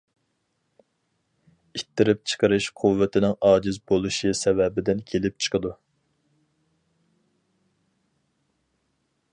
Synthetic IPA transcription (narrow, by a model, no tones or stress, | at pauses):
it̪ʰːɪɾɪp̚t͡ʃʰə̥qʰəɾɨʃqʰuvːɪt̪ʰɪnɪŋɑːd͡ʒɪzbolˠuʃɨsɛvɛbɪd̪ɪnkʲʰelɪp̚t͡ʃʰə̥qʰəd̪u